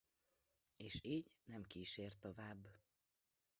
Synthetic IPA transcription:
eːʃiːɟnɛmkiːʃeːrt̪ovaːbː

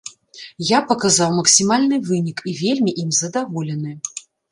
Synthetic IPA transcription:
japɐkazawmɐksʲimalʲnɨvɨnʲikivʲelʲmʲiʔimzɐd̪avɔlʲɛnɨ

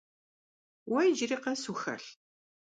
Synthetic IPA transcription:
wʔæjd͡ʒɾɪqæsuxæ̰ɬ

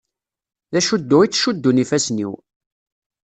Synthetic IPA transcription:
ðæʃud̪ːʊit͡sːʃud̪ːunifæsnḭw

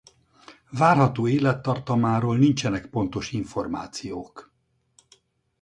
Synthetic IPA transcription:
vaːrɦɒt̪oːeːlɛt̪ːɒrt̪ɒmaːɾoːlnint͡ʃɛnɛkpo̞nt̪o̞ʃiɱfo̞rma̰ːt̪sijoːk

